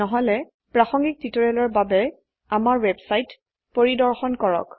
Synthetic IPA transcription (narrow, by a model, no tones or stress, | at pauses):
ɔɦɔlɛ | pɹaxɔŋɡik̚titɔɹɛlɔɹbabɛ | amaɹwɛbsajt | poɹidɔɹxɔnkɔɹɔ̰k